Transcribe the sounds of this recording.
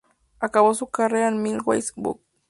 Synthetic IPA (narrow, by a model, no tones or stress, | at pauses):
akawasukaɾeanmilwa̰jsbṵk̚